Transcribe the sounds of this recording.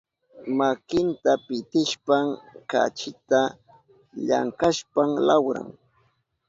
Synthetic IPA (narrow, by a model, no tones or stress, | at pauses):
makɪnt̪apɪt̪ɪʃpaŋka̰t͡ʃɪt̪a | ʎa̰ŋkaʃpamlawɾa̰ŋ